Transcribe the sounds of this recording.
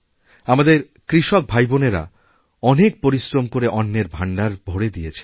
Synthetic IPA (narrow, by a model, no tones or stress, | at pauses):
amad̪eɾ | kɾiʃɔk̚bʱajboneɾa̰ | ɔnek̚poɾisɾomkoɾeʔɔnːeɾbʱaɳɖaɾbʱoɽed̪ijet͡ɕʰe̥